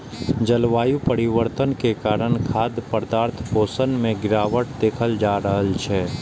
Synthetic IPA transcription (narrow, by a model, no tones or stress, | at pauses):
d͡ʒəlʋaːjupəɾɪʋəɾt̪ənkekaːɾəɽ̃kʰaːd̪pəɾd̪aːɾt̪ʰpoːsənmẽɡɪɾaːʋəʈd̪eːkʰəld͡ʒaːɾəɦəlt͡ʃʰɛː